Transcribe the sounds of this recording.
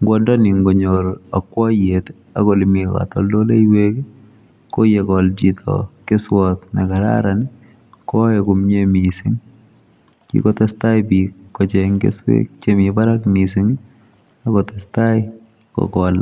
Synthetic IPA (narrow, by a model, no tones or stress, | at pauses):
ŋɡwɔndɔniŋɡɔɲoɾakːwɔjet | a̰kɔlimika̰tɔ̰ldolejwek | kojekɔld͡ʒitʰɔ̰keswɔtnakaɾa̰ɾani | kɔekumɲemisɪŋ | kḭkɔtastajpikːɔt͡ʃeŋɡḛswḛk̚t͡ʃemibaɾakmisɪŋ | akɔtastaj | kɔ̰kɔl